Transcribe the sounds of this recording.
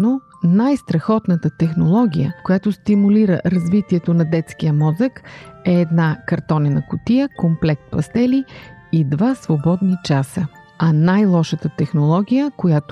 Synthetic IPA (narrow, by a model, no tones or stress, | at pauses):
no | najst̪ɾɐxɔt̪nət̪ət̪ɛxnolˠɔɡ̟ʲijəkojat̪ost̪imuliɾə̰ɾɐzvit̪iɛt̪onɐd̪ɛt̪sk̟ijəmɔzəkɛːd̪nakɐɾt̪ɔnɛnɐkʊt̪ijəkomplɛk̚t̪̚pɐst̪ɛliid̪vasvobɔd̪nit͡ʃasə | ɐnajlˠɔʃət̪ət̪ɛxnolˠɔɡʲijəkojat̪